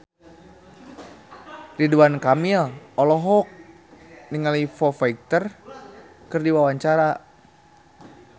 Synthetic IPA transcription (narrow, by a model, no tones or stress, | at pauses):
riduankamilɔlɔɦɔk̚ | niŋalifɔfaik̚t̪ər | kɨrdiwawaɲt͡ʃaɾa